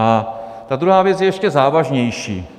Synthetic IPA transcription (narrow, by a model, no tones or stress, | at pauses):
at̪ad̪ɾuɦaːvjɛt͡sjɛjɛʃcɛzaːvaʒɲɛjʃḭː